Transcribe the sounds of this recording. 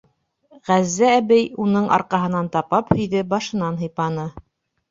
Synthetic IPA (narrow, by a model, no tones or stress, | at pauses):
ʁæzːæːβɘjunɤɴʔɑ̰ɾqɑɦɤ̆nɑnt̪ɑpɑphɵ̆jðɘbɑʃɤ̆nɑnɦɤ̆jpɑnɤ